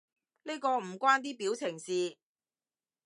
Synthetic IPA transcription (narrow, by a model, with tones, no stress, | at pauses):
ne˥kɔː˧m̩˨˩kʷaː˥nt̪̬iː˥piː˨˥wt͡sʰɪ˨˩ŋsiː˨˧